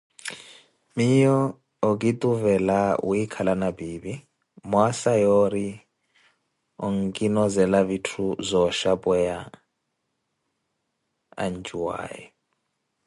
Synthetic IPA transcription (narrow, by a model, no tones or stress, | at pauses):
mijɔː | k̬ʼit̪ʼuvɛlauikʰalanabiːbi | mwasajɔɾi | ɔŋkʼinɔzɛlavitʰuzɔʃabʼɛja | a̰nd͡ʒʼuwa̰ːjɛ